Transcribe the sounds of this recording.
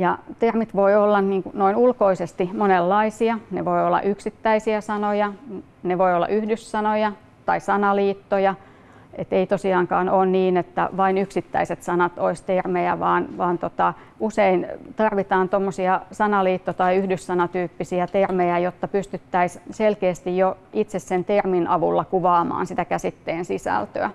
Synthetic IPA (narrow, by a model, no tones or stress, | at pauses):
jɑt̪ermit̪ʋoiolːɑnniːŋkunoinulkoisest̪imonelːɑisiɑneʋoiolːɑ̰ʔyksit̪ːæisiæsɑnojɑ | neʋoiolːɑ̰ʔyhdyssɑnojɑ | t̪ɑisɑnɑliːt̪ːojɑ | et̪eit̪osiɑːŋkɑːnoːnniːnet̪ːæ̰ʋɑinyksit̪ːæ̰iset̪sɑnɑt̪oist̪ermejæʋɑːnʋɑːnt̪ot̪ɑ | useint̪ɑrʋit̪ɑːnt̪omːosiɑsɑnɑliːt̪ːot̪ɑiyhdyssɑnɑt̪yːpːisiæt̪ermejæjot̪ːɑpyst̪yt̪ːæisselkeːst̪ijjoit̪sessent̪erminɑʋulːɑkuʋɑːmɑ̰ːnsit̪ækæsit̪ːeːnsisæ̰lt̪ø̰æ